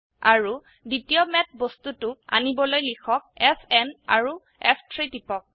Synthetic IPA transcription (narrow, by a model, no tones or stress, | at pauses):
aɹu | ditijɔmɛt̚bostutʊa̰nibɔlojlikʰɔk̚ɛpʰɛna̰ɹu | ɛpʰtʰɹitipɔk̚